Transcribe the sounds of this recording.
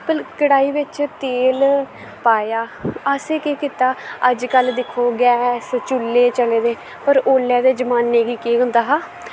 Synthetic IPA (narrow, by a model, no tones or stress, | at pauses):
pəlkəɽaːiːʋɪt͡ʃt̪eːl | paːjaːəseːkeːkɪt̪aːəd͡ʒkəld̪ɪkʰoːɡɛːst͡ʃʊlːeːt͡ʃəleːd̪eː | pəɾoːlːaːd̪eːd͡ʒəmaːnːeːɡiːkiːʊ̃nd̪aːɦaː